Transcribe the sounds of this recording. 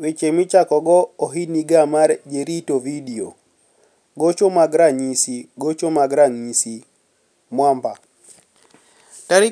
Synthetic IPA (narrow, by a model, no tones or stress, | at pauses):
wet͡ʃemɪt͡ʃakɔɡɔːɦiniɡamaɾd͡ʒeɾitovidio̰ | ɡot͡ʃomaɡɾaɲisiɡot͡ʃomaɡɾaŋɲisi | mwampa | taɾɪ